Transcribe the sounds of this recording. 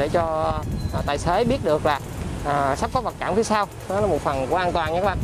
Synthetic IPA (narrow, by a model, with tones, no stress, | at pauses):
ɗe˧˩t͡ɕɔ˧˨˩t̪aː˨˩jse˨˦ɓi˦˥ət̚ɗɨ˨˩ək̚laː˨˩ʔəː˨˩sa˦˥p̚kɔ˨˦˥və˨˩t̚kaː˧˩mfʰi˧saː˧w | ɔ˨˦laː˨˦mo˨˩t̚fə˨˩nku˧˩əʔaː˧nt̪waː˨˩nɲa˧˦kːʔa˧˨